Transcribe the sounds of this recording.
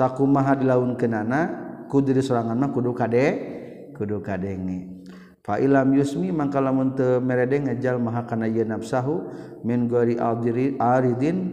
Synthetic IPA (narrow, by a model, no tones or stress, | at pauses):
sakumaɦadilaunkənanakudidisɔɾaŋanmakudukadɛ | kudukadɛŋɛ | faʔilamjusmimaŋkalamunt̪əmɛɾɛdɛŋad͡ʒalmaɦakanajənap̚saɦu | mɛnɡuaɾiʔadaɾid̪in